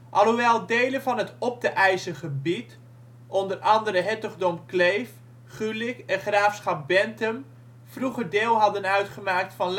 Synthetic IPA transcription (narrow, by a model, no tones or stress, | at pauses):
ʔɑlˠɦuʋɛlˠdejlənvɑnɦətɔp̚dəʔɛjzəχəbit | ʔɔndərɑndəɾəɦɛtəχdomklejf | χylɪkɛnχraːfsχɑp̚bɛntəm | fruχəɹdɪːlˠɦɑdənœɥtχəmaːk̚tfɑnl